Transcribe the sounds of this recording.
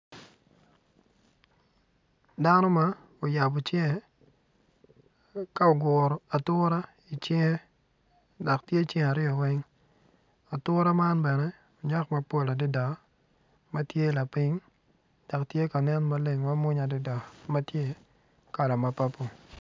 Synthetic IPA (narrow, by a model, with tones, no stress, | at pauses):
da˦nɔ˦ma˦ | o˨ja˨bo˨t͡ʃe˦ŋe˨ | ka˦o˨ɡʊ˨ɾɔ˨a˨tʊ˦ɾa˦ | i˨t͡ʃe˦ŋe˦ | da˨ktje˦˨t͡ʃe˦ŋa˨ɾɪ˦ɔ˨wɛ˦ŋ | a˨tʊ˦ɾa˦ma˦nbɛ˨nɛ˦ | o˨ɲa˦kma˨po˦˨la˨dɪ˦da˨ | ma˦tje˦˨la˨pi˦ŋ | d̥a˨ktje˦ka˨nɛ˦nma˦le˨ŋma˦mʊ˦ɲa˨dɪ˦da˨ma˦tje˦ | ka˨la˨ma˨pa˦po˨